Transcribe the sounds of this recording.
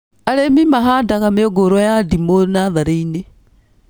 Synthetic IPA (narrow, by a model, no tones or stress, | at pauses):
aɾemimaɦadaɣameoɡoɾwɔjadimonaðaɾeine